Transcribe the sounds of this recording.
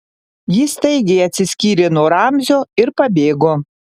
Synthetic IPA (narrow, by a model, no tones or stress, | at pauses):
jɪst̪ɐɪɡʲeːɐt̪ʲsʲɪsʲkʲiːɾʲeːnuɔɾɑmʲzʲoːɪɾpɐbʲeːɡoː